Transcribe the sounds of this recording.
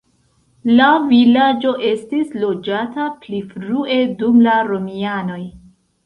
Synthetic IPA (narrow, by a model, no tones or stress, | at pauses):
lavilad͡ʒo̞ʔe̞stislo̞d͡ʒataplifɾue̞dumlaɾo̞miano̞j